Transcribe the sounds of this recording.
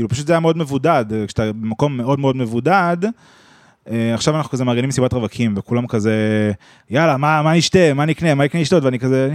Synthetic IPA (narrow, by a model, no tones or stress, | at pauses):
iːlupḁʃut̪zeajameo̞dme̞vudadke̥at̪abemako̞mːe̞o̞dmeo̞dmevudad | eaχʃavanaχnukazemaːɡenimsibatʁavakʰimvekulamkaze | jalamamaniʃte̞maniiknemaikneiʃto̞t̪veanikaze